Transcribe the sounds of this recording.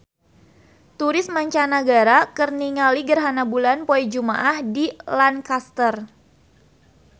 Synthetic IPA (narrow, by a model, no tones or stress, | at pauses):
t̪uɾɪsmaɲt͡ʃanaɡaɾakərniŋaliɡərɦanabulanpoɛd͡ʒumaʔahdilankast̪ər